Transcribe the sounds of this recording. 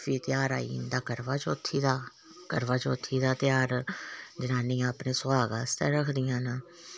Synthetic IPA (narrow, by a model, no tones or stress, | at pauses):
fiːt̪ɪjaːɾa̰ːḭːnd̪aːkəɾʋaːt͡ʃot̪ʰːiːd̪aː | kəɾʋaːt͡ʃo̰t̪ʰːiːd̪aːt̪ɪjaːɾd͡ʒənaːniːãːpneːsʊaːɡaːst̪ɛːɾəkʰd̪ɪjãːnaː